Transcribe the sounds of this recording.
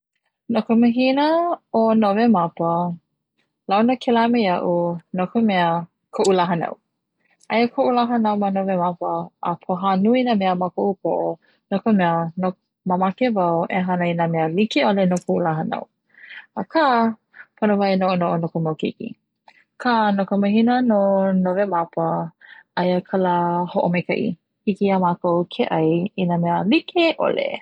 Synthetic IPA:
nokoməɦinəonovemapə | lawnəkʰelamejɐʔunokomɛə | kʰoʔulaɦənɐ̰w | ʔɐjəkʰoʔulaɦɐnawmanovemapəʔːpʰoɦanuinamɛəmakoʔup̚ʰoʔo | nokomɛəno | mamakevɐwḛɦanəinameəlikeolenokʰoʔulaɦəna̰w | əkʰa | pʰonovajnoʔonoʔonokomawkḭkḭ | kʰanokomɐɦinənonovemapəɐjəkʰalahoʔomejkɐ̰ʔḭ | hikiamakowkʰeʔɐjinameəlikʰeʔo̰lḛ

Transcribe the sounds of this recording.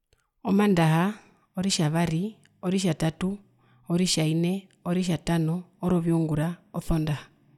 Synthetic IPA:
ɔmandaɦa | ɔɾiʃaβaɾi | ɔɾiʃatatu | ɔɾiʃainɛ | ɔɾiʃ̬atanɔːɾɔβjɔŋɡuɾaɔθɔndaha

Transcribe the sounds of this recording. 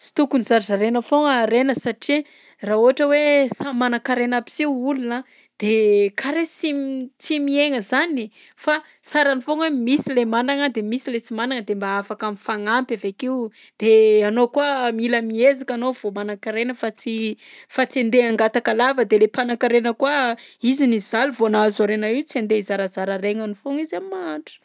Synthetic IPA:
t͡si̥t̪ukunizaɾizaɾenəfoŋaɾenəsaʈ͡ʂi | rauɦaʈ͡ʂəwesamanakaɾenapi̥siwulunə | d̪̥ekʰaɾet͡simt͡simieŋəzani | fa | saɾanifoŋemisilemanaŋəd̪emisilet͡simanaŋəd̪embaafakamifaŋampavekiu | d̪̥eanokuəmiləmiezakanov̥omanakiɾenəfat͡sifat͡siend̪eaŋɡat̪akalavəd̪elepanakiɾenəkuəizinizaluvoanazaɾenaiwt͡siend̪eizaɾazaɾaɾeŋanifoŋizammaɳʈ͡ʂə̥

